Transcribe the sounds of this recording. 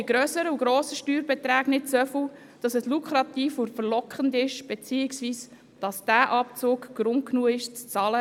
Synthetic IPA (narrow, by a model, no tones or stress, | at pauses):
iɡ̥ɾœːsəɾəuɡɾoːsəʃtyːɾbɛt̪ɾæːɡnɪtsœfʊ | d̥ɑsɛslukʰχɾɑt̪iːfʊfəɾlɔkχəndɪʃb̥ɛt͡siːɪksviːs | d̥ɑsd̥æːʔɑp̚t͡suːkɡ̥ɾʊnt̚knuːəɪʃt͡st͡sɑːlə